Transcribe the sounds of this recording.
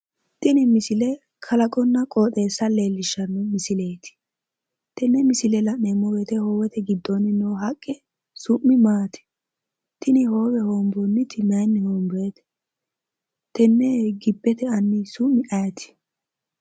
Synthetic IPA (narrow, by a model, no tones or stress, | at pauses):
t̪ɪnɪmɪsɪlɛ | kʰɐlɐkʼɔnːɐkʼoːt̪ʼe̞ːsːɐleːlːɪʃːɐnːɛmɪsɪle̞ːt̪ɪ̥ | t̪ɛnːɛmɪsɪlɛlɐʔnɛmɔɡɛt̪ɛhoːwɛt̪ɛɡɪd̪ːɔnːɪnːɔɦɐkʼːɛ | sʊʔːɪmaːt̪ɪ̥ | t̪ʰɪnɪhoːwɛhoːmbɔnːɪt̪ʰɪnɐjnːɪhoːmbeːt̪ɛ̥ | t̪ɛnːɛɡɪbːɛt̪ɛɐnːɪsʊmːɪʔɐjɐt̪ʰɪ̥